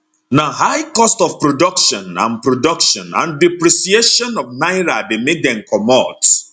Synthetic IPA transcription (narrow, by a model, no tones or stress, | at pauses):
naɦajkɔstɔfpɹodɔkʃɔ̃nã̰npɾodɔkʃɔ̃nã̰ndipɾisieʃɔ̃nɔfnaɪɾademed̪ɛ̃nkʰɔmɔt